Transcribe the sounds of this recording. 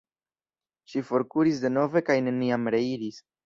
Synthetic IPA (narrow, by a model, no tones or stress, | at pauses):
ʃifo̞ɾkuɾis̬de̞no̞ve̞kajne̞niamɾe̞iɾis